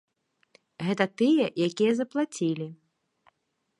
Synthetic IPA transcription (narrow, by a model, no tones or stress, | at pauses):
ɣɛt̪ɐt̪ɨjɛjakʲijɐzɐplˠat͡sʲilʲi